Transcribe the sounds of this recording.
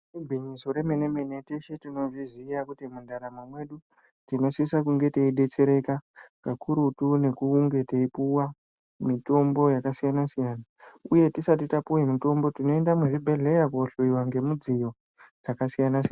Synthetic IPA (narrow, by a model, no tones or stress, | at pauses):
ubʱiɲiso̞ɾe̞me̞neme̞ne̞teʃetino̞ʐiziːjakutimundaɾamamwe̞ɗu | tino̞sisak̬uŋɡe̞teiɗe̞t͡ʃe̞ɾe̞kakɡakʰuɾutune̞kuːŋɡe̞teipuwa | mito̞mbo̞jakasijanasijaːnauje̞tisatitapuwemito̞mbo̞tino̞e̞ndamweʐibʱe̞ɮe̞jakoɬoiwaŋɡe̞mud͡zijo̞ | d͡zakasijanasian